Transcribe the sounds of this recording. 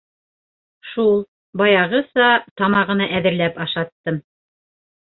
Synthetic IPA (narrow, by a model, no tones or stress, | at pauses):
ʃulˠ | bɑjɑʁɤsɑt̪ɑmɑʁɤ̆nɑʔæðɘ̆ɾlæpɑʃɑt̪ːɤm